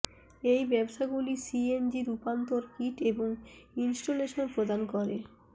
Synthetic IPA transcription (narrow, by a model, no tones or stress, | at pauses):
ejbɛboʃaɡulisiend͡ʑiɾupant̪oɾkiʈeboŋinsʈoleʃonpɾod̪ankɔɾe